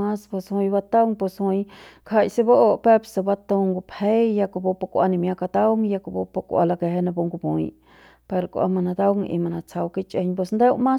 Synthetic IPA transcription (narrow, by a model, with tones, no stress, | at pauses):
a˦spo˧shũ˧jba˦˧t̪a˦wŋpo˧shũ˧jkʰa˧jse˦ba˦ʔo˧ʔpe˦psa˧ba˧t̪o˧ŋɡu˧pʰhe˦jja˧ko˧bo˧pa˧kʷa˧ni˧mja˧ka˧d̪a˦wŋja˧ko˧bo˧pa˧kʷa̰˧la˧ke˧ɦe˧nã˧bo˧ŋɡu˧pũ˨j | pe˧ɾkʷʔa̰˧ma˧na˧d̪a˦wŋḭ˧ma˧na˧t͡sʰa˧wki˦t͡ʃʼe˧ɲpwe˧snd̪e˦wmã˦